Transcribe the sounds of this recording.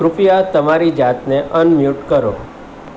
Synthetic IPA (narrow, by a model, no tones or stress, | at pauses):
ɾʊfijat̪əmaɾid͡ʒat̪neʔənmjuʈkəɾo̰